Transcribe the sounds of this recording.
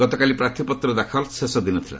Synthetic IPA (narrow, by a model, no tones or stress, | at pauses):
ɡɔt̪ɔkalipɾat̪ʰipɔt̪ɾɔd̪akʰɔlsesɔd̪inɔt̪ʰila̰